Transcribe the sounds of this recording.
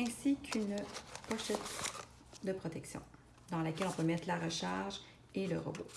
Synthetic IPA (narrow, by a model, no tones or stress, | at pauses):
ɛ̃sikʲʰynpɔʃɛt̪ | d̪əpχɔt̪ɛksjɔ̰̃ | d̪ɑ̃lakʲɛlɔ̃pømɛt̪χlaʁəʃaʁʒ | eləʁə̰bo